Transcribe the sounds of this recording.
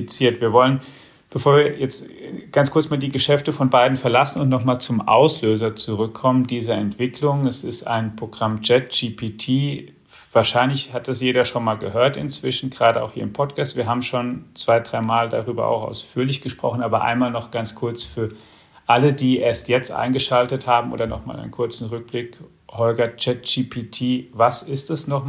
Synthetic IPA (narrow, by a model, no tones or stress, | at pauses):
it͡siːɐtviːɐvɔlən | b̥əfoːɐviːɐjɛt͡stɡ̥ant͡skʰʊɐt͡smaːldiːɡəʃɛftəfɔnbaɪdn̩fɛɐlasn̩ʊntnɔχmaːlt͡sʊmʔa̰ʊsløːzɐt͡suʁʏkʰːɔməndiːzɐɛntv̥ɪklʊŋɛsɪsta̰ɪnpʁ̥oɡʁamd͡ʒɛt̚d͡ʒipʰitʰiː | vaːɐʃaɪnlɪçhat̚d̥asjeːɾɐʃonmaːlɡəɦøːɐtɪ̰nt͡sv̥ɪʃn̩ɡ̥ʁaːdəaʊxhiːɐɪmpʰɔtkʰaːstv̥iːɐɦaːbm̩ʃoːnt͡sv̥aɪdʁaɪmaːlda̰ʁyːbɐ̰ʔa̰ʊxa̰ʊsfyːɐlɪçɡ̥əʃpʁ̥ɔ̰χn̩ʔaːbɐʔa̰ɪnmaːlnɔχɡ̥ant͡skʰʊɐt͡sfyːɐ | ʔalədiːʔeːɐstjɛt͡stʔa̰ɪnɡəʃaltəthaːbm̩ʔo̰ːdɐnɔχma̰ːlʔa̰ɪənkʰʊɐt͡sn̩ʁʏk̚b̥lɪk | hɔlɡɐt͡ʃɛtd͡ʒiːpʰiːtʰiːvasɪstɛsnɔχ